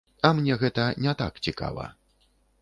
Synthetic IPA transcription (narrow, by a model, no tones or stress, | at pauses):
ɐmnʲɛɣɛt̪ɐnʲɛt̪a̰kt͡sʲika̰vɐ̰